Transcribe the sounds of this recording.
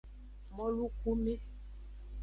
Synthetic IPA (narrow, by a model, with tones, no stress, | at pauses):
mɔ˦lu˦ku˦mi˦